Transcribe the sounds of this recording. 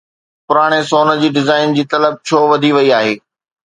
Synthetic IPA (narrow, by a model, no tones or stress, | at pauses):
pʊɾaːɽ̃esoːnə̆d͡ʑiːɖɪzaːɪnd͡ʑiːt̪ɐləb̚t͡ɕʰoːʋɐd̪ʱiʋɐiaːɦeː